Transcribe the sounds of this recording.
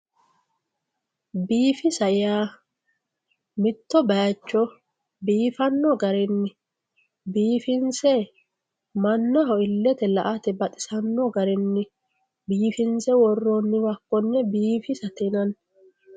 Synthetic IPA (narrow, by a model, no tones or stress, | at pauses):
biːfɪsɐjaː | mɪt̪ːɔbɐjɐt͡ʃːɔ | biːfɐnːɔɡɐɾɪnːɪ | biːfɪnsɛ | mɐnːɐɦɔɪlːɛt̪ɛlɐ̰ʔɐt̪ɛbɐt̪ʼɪ̥sɐnːɔɡɐɾɪnːɪ | biːfɪnsɛwɔrːɔnːɪwɐkːɔnːɛbiːfɪsɐt̪ɪnɐn